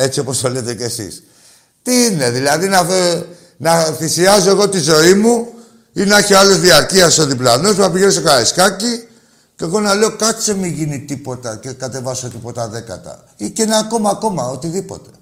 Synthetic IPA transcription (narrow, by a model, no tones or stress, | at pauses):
e̞t͡sio̞po̞st̪olet̪e̞ce̞sḭs | t̪iine̞ðilɐðinɐfe | nɐθisiɐzo̞e̞ɣo̞t̪izo̞imu | inɐçiɐlo̞zðiɐɾciɐsoðiplɐno̞suɐpiʝenost̪okɐɾeskɐci | ce̞ɣo̞nɐle̞o̞kɐt͡semiʝinit̪ipo̞t̪ɐcekɐt̪e̞vɐso̞t̪ipo̞t̪ɐðe̞kɐ̰t̪ɐ̰ | iceneɐko̞mɐːko̞mɐo̞t̪iðipo̞̰t̪e̥